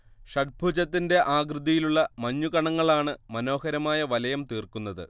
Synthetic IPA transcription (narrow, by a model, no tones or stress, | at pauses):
ɕɐʈ̚bʱud͡ʑɐt̪ːinde̞ʔaːɡrɨðɐjiluɭːɐmɐɲːukɐɳɐŋːɐɭaːɳɨmɐno̞ːhɐɾɐmaːjɐʋɐlɐjɐmt̪iːrkunːɐðɨ̰